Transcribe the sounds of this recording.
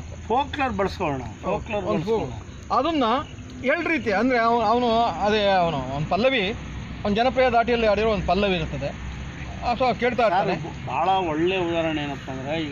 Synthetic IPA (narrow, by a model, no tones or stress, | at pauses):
t̪pʰoːklɐɾbɐɭɐskoɭɳɐ̰foːklɐɾonpo | ɐd̪ɐnːɐ | eɭɖɾiːt̪ijɐnd̪ɐɾe̞ɐʋnɐʋnuɐd̪eɐʋnuond̪pɐlːɐʋi | ɐnud͡ʒɐnɐp̬ɾijad̪aːʈijɐlːiaɐːɽiɾoond̪upɐlːɐʋiːɾut̪ːɐd̪e̞ | ɐsoke̞ːɭt̪aːiɾtːane | bʱa̰ːɭɐɔɭːeud̪aːɾɐɳeːnɐpːɐnd̪ɾei